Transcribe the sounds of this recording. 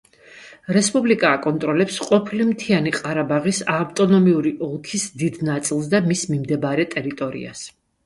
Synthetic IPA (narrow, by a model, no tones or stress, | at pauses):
ɾɛspʼublikʼaːkʼɔnt̪ʼɾɔlɛpsqʼɔpʰilimt̪ʰianiqʼaɾabaʁisavt̪ʼɔnɔmiuɾiʔɔlˠkʰisd̪id̪nat̪sʼilˠs̬d̪amismimd̪ɛbaɾɛt̪ʼɛɾit̪ʼɔɾḭa̰s